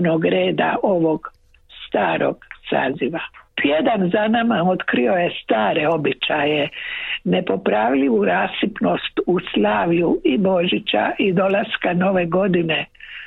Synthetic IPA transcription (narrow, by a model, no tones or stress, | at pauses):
noɡɾe̞ːd̪a̰ʔo̞ʋo̞ɡ | st̪aːɾo̰ɡ̥sa̰ːziʋapjed̪anzanamao̞t̪kɾio̞je̞st̪aːɾe̞o̞bit͡ʃajene̞po̞pɾaʋʎiʋuɾaːsipno̞st̪uslˠaːʋʎuibo̞ʒit͡ɕa̰ʔid̪o̞laskano̞ʋe̞ɡo̞d̪ine̞